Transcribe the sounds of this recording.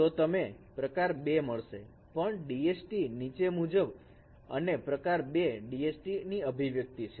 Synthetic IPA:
t̪ot̪əme | pɾəkaɾbeməɭʃḛ | pəɳɖiesʈinit͡ʃemud͡ʒəb | ə̰nepɾəkaɾbeɖiesʈiniəbʱiʋjək̚t̪it͡ʃʰe

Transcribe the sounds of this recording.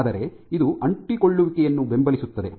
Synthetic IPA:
d̪ɐɾe̞ | id̪uʔɐɳʈiko̞ɭːuʋikɛjɐnːube̞mbɐlisut̪ːɐd̪e̞

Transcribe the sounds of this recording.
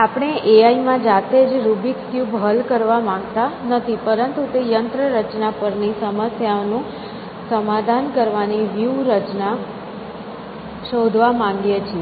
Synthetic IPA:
apɳ̃eʔeaimãd͡ʒat̪ed͡ʒɾubikkjubɦəlkəɾʋamãŋɡt̪anət̪ʰipəɾənt̪ut̪ejənt̪ɾəɾət͡ʃnapəɾnisəməsjaonũ | səmad̪ʱankəɾʋaniʋjuɾət͡ʃna | ʃod̪ʱʋamãŋɡjet͡ʃʰie

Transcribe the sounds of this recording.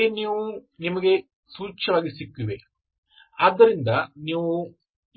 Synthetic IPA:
eniwunimɐɡe | suːt͡ʃɐʋaːɡisikʲːuʋḛ | ɐd̪ːɐɾind̪ɐniwu

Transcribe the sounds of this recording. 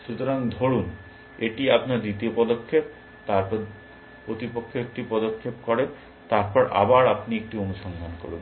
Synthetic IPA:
ʃut̪oɾaŋd̪ʱoɾun | eʈiapnaɾd̪it̪iopɔd̪okʰːep̚ | t̪aɾp | pɾot̪ipokʰːoekʈipɔd̪okʰːepkɔɾen | t̪aɾpɔɾʔa̰baɾapniek̚ʈionuʃɔnd̪ʱanko̰ɾun

